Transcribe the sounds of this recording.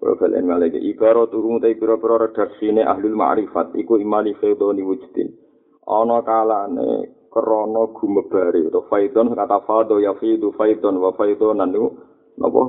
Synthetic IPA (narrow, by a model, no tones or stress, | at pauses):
pɾɔ̰b̥ala̰a̰nkalakḛʔiɡaɾɔt̪ukumut̪aipiɾɔpiɾɔɾɛd̥a̤rsineʔa̰ɦlulma̰ʔɾifat̪̚ḭkoimalifed̪ɔniwud͡ʒ̥t̪ḭn | ʔɔ̰nɔkalaʔnḛkəɾɔnɔɡ̥ṳməb̥aɾiut̪ɔfaid̪ɔnskat̪afad̪ɔjafid̪ufaid̪ɔnwafaid̪ɔnanːiu | nɔ̰pɔ̰